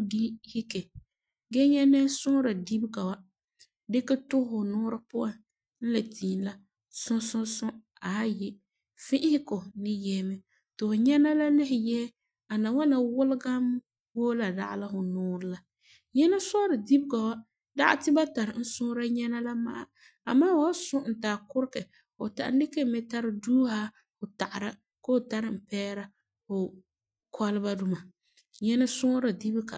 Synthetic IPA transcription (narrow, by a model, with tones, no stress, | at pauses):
ɡi˦hi˦ke˨ | ɡɛ˦ɲɛ˦nɛ˦sʊ˦ɾa˨di˦bɡa˨wa˨ | dɪ˦ka˦tʊ˦hhʊ˨nʊː˦ɾɪ˦pʊ˦a˨n | n̩˦la˨tʰiː˨n˦la˦ | sʊ̃˦sʊ̃˦sʊ̃˦ | a˨a˦jɛ˦ | fɪ̃˦ʔhɪ˦ko˨nɪ˦jɛː˦mɛ˦ | tɪ˨hʊ˨ɲɛ˦na˦la˦lɪ˦hɪ˨jɛ˦ | a˨na˨wa˦na˨wʊ˦lɪ˦ɡa˦m˦ | woː˦la˨da̰˦ʔa̰˦la˦ɦʊ˨nʊː˦ɾɪ˨la˨ | ɲɛ˦na˦sɔ˦ɾɪ˨di˦bka˨wa˦ | da˦ʔa̰˦tɪ˦ba˦ta˨ɾɪ˨n̩˦sʊ˦ɾa˦ɲɛ˦na˦la˦ma̰˦a˦ | a̰˨maː˦wa˦sʊ˦n̩˨taː˨kʊ˦ɾkɛ˨ | hʊ˨ta̰˨ʔn̩˦dɪ˦kɛ˦mɛ˦ta˦ɾɪ˨duː˦ha˦ | hʊ˨ta˨ʔa˨ɾa˦ | ko˦hʊ˨ta˦ɾɪ˨m̩˨pɛː˦ɾa˦ | hʊ˨ | kʰa˦lɪ˦ba˦du˦ma˨ | ɲɛ˦na˦sʊ˦ɾa˨di˦bka̰˨